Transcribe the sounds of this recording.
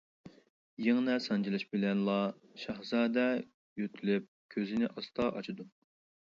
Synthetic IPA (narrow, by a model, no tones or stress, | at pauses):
jeŋnɛsɑnd͡ʒilˠɨʃbɪlɛnlˠɑ | ʃɑhzɑːd̪ɛ | jøt̪ʰylyp̚kʲʰøzɪnɪʔɑst̪ʰɑʔɑt͡ʃʰid̪u